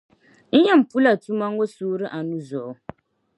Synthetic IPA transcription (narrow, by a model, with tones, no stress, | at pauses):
n̩˦jɛ˦m̩˨pu˦la˨tu˦ma˦ŋ˦ɡo˦suː˦ɾɨ˦ʔa˨nu˦zɔ˨˦